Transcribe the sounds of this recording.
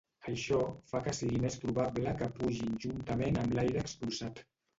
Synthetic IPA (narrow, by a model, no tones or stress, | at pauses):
əʃɔfakəsiɣimest̪ɾuβablakəpuʒinʒunt̪əmenəmlajɾəːkspulˠsat̪